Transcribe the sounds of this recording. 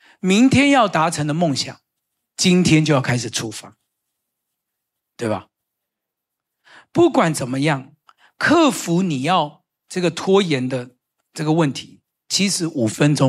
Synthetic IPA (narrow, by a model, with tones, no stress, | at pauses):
mi˧˦˥ŋt̪ʰjɛ˥njɑ˥˩ʊt̪a˧˥ʈ͡ʂʰɤ˧˥ŋd̪ə˧mo˥˩ŋɕjɑ̰˨˩ŋ | t͡ɕi˦nt̪ʰjɛ˥nt͡ɕjo˥˧ʊjɑ˥˩kʰa˥ɪʂɻ̩˨˩ʈ͡ʂʰu˥fa˨˥˦ | t̪we˥˩ɪbɐ̰˨˩ | pu˥˩kwa˨˩nt͡sə˨˩nmə˦jɑ˥˩ŋ | kʰɤ˥˩fu˧˥˦ni˨˩jɑ˥˧ʊ | ʈ͡ʂɤ˥˩ɡə˩t̪ʰwɔ˥jɛ˨˧˥nd̪ə˧ | ʈ͡ʂɤ˥˩ɡə˩wə˥˩nt̪ʰi˧˥˦ | t͡ɕʰi˧˥ʂɻ̩˧˥ʔu˨˩fə˦nʈ͡ʂo˥